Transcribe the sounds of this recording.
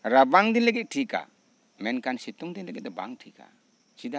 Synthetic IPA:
ɾabaŋd̪inlɛɡɛt̪̚ʈʰika̰ | mɛnkʰansit̪ɔŋd̪inlɛɡɛt̚dɔba̰ŋʈʰika̰ | t͡ʃid̪a

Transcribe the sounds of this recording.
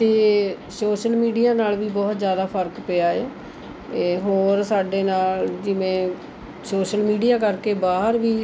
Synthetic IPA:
t̪eː | soːʃəlmiːɖijaːnaːlʋiːbɔːt̪zjaːd̪aːpʰəɾkpeːaːeː | ɦoːɾsaːɖeːnaːld͡ʒɪʋẽː | soːʃəlmiːɖijaːkəɾkeːbaːɦəɾʋiː

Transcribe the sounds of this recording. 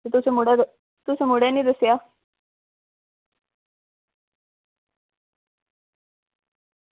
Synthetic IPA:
et̪ʊsemʊɽe | t̪ʊsemʊɽenĩːd̪əsjaː

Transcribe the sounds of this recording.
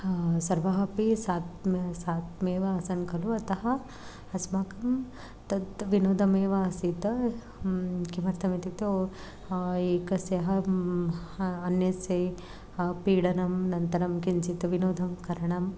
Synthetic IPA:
sɐɾʋɐɦɐpisaːt̪msaːt̪meːʋɐɐːsɐnkɐluɐt̪ɐɦɐ | ɐsmaːkɐm | t̪ɐt̪ʋinoːd̪ʱɐmeːʋɐɐsit̪ɐ | kimɐɾt̪ʰɐmit̪it̪o | eːkɐsjɐɦɐ | ɐnjɐse | piːɽɐnɐmnɐnt̪ɐɾɐmkint͡ʃit̪ɐʋinoːd̪ʱɐmkɐɾɐɳɐm

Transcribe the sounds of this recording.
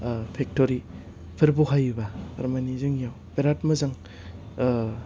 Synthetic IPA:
pʰek̚toɾi | pʰɯɾbuɦajubaɐ̰ɾmanizɯŋjawpeɾat̚mɐzaŋ

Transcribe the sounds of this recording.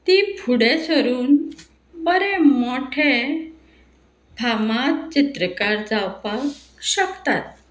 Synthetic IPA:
t̪iːbʰʱuɽesəɾuːn | bəɾemoʈʰe | bʱamat̪t͡ɕit̪ɾəkaɾd͡zawpakɕəkt̪at̪̚

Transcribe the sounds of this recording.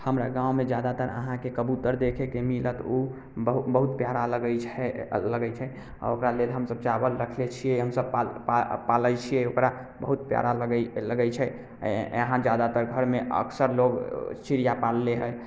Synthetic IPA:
həmɾa̰ɡãwmed͡ʒjad̪at̪əɾə̰ɦãkekəbut̪əɾd̪ekʰekemilət̪u | əɦbəɦut̪pjaɾaləɡəjt͡ʃʰɛləɡəjt͡ʃʰɛ | a̰okɾalelɦəmsəb̚t͡ʃabəlɾəkʰlet͡ʃʰijɛiɦəmsəbpapapalət͡ʃʰijɛokɾa | bəɦut̪̚pja̰ɾaləɡləɡɛjt͡ʃʰɛ | əɦãd͡ʒjad̪at̪əɾɡʱəɾmeə̰ksəɾloɡt͡ʃiɾijapalːeɦəj

